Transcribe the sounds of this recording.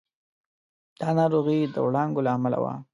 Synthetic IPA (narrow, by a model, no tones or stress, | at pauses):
d̪̥ɑnɑɾoɣid̪ə̰wɽɑŋɡolaːmala̰wa̰